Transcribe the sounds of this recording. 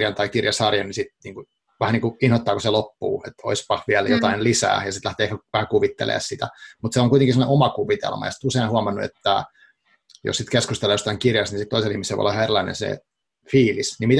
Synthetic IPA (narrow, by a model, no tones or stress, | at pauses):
jɑnt̪ɑikirjɑsɑrjɑnisit̪niːŋku | ʋæhæniːŋkuinhot̪ːɑːkuselopːṵːḛt̪o̰ispɑhʋiæljot̪ɑinlisæ̰ːjɑsit̪læht̪eːehkæʋæhækuʋit̪ːḛlḛːssit̪æmut̪seoŋkuit̪eŋkisemoneʔomɑkuʋit̪ḛlmɑjɑsi̥t̪useinhuɑmɑnːuḛt̪ːæ̰ | jo̰ssit̪keskust̪elːeːjost̪ɑiŋkirjɑst̪nisit̪oiselihmiselʋo̰o̰lːɑʋhɑerilɑinḛnsḛ | fiːlisnimit̪